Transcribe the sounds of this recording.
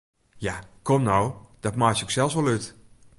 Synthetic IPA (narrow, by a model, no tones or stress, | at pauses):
jakʰɔmnowd̥ɔtmajsoksɛlˠsʋɔlˠyt